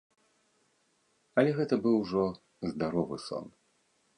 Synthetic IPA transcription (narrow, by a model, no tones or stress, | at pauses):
ɐlʲɛɣɛt̪ɐbɨwʐɔ | zd̪aɾɔvɨ̰sɔ̰n